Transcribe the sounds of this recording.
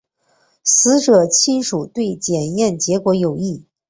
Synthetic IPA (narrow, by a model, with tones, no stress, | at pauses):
sɹ̩˧˥ʈ͡ʂɤ˨˩t͡ɕʰi˥nʂu˨˩t̪we˥˩ɪt͡ɕjɛ˨˩njɛ˥˩nt͡ɕjɛ˧˥kwɔ˧˥jo˨˩ʊi˥˩